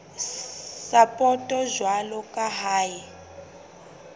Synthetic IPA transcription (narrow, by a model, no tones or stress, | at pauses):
sapʼɔtʼɔʒwalɔkʼaɦaːji